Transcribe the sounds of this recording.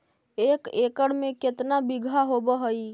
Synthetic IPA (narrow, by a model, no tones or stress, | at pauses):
eːkeːkəɽmẽkɪt̪nabɪɡʱaɦobəɦəi